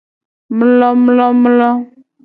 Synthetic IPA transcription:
m˦lɔ˦m˦lɔ˦m˦lɔ˦

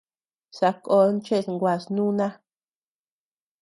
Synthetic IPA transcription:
sa˧˨ko˧˦nt͡ʃe˦˨sŋɡʷa˨snũ˦nã˦

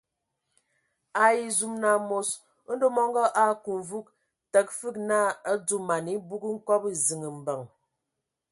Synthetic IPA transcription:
a˦i˦zu˦mna˨mo˦s | n̩˦do˦mɔ˦ŋɡɔ˦ʔa˦˨ku˨ɱ˨vu˦k̚ | tə˨k̚fɨ˦k̚na˦ə˦tu˦ma˨ni˦bu˦ɡi˦ŋ̩˦kɔ˦pi˦zi˨ŋə˨m̩˨bə˨ŋ

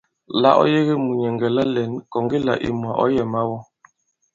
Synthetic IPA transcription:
la̰˦ʔɔ̰˦je˦ɣe˦mu˨ɲɛ˨ŋɡɛ˨la˦lɛ˨nkɔ˨ŋɡi˦la̰˨ʔḭ˨mu˨a˨ʔɔ̰˦jɛ˨ma˦wɔ˦

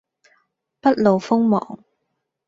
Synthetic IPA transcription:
pɐ˥t̚lo˨wfʊ˥ŋmɔ̰ː˨ŋ

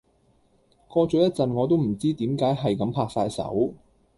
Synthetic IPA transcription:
kɔː˧t͡sœ˨˥jɐ˥t̚t͡sɐ˨nŋɔː˨˧t̪̬o˥wm̩˨˩t͡siː˥t̪iː˨˥mkaː˨˥jɦɐ˨jkɐ˨˥mpʰaː˧k̚saː˧jsɐ̰˨˥w

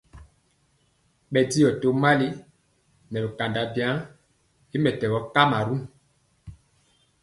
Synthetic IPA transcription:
ɓɛ˨di˦jɔ˨to˨˦ma˦li˦ | nɛ˨lɛ˨ka˨nda˨bja˨˦ | i˦mɛ˨tɛ˨ɣɔ˨˦ka˦ma˨ɾu˦ŋ

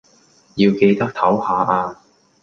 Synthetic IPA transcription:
jiː˧wke˧jt̪ɐ˥k̚t̪ʰɐ˨˥whaː˨˧ʔaː˧

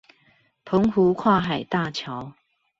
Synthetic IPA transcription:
pʰo˨˦ŋhu˨˦kʰwa˥˨ɦa˨˩jt̪a˥˧t͡ɕʰja˨˦ʊ

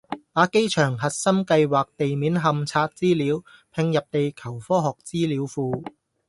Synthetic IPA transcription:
aː˨˧ke˥jt͡ʃʰœː˨˩ŋɦɐ˨t̚sɐ˥mkɐ˧jwaː˨k̚t̪e˨jmiː˨˥nɦɐ˧mt͡sʰaː˧t̚t͡siː˥liː˨˥wpʰɪ˧ŋjɐ˨p̚t̪e˨jkʰɐ˨˩wfɔː˥ɦɔː˨k̚t͡siː˥liː˨˧˥wfuː˧

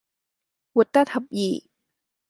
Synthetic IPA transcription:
wu˨˩˨t̪ːa˥t̪ʰa˨p̚ji˨˩

